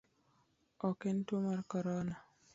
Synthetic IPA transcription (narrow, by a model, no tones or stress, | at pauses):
ɔkɛntomarkɔɾɔna